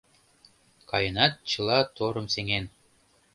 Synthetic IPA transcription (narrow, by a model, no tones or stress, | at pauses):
kɑjɤ̆nɑt̪̚t͡ɕɤ̆lˠɑt̪oɾɤ̆mseŋen